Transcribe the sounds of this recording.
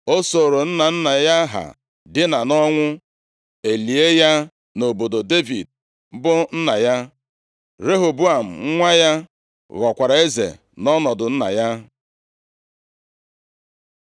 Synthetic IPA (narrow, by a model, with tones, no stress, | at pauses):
o˦so˨ɾo˨n̩˦na˨n̩˦na˨ja˦ɦa̰˨ | dɪ˦na˨nɔ˦ŋʷʊ˦ | e˨li˨e˦ja˦ | no˨bo˨do˨de˦vḭ˨d̚ | bʊ˦n̩˦na˨ja˦ | ɾe˦ɦo˨bu˦a˨m̩˨ŋ̩˦ŋʷa˦ja˦ | ɣɔ˨kʷa˨ɾa˨e˦zḛ˨ | nɔ˦nɔ˨dʊ˨n̩˦na̰˨ja˦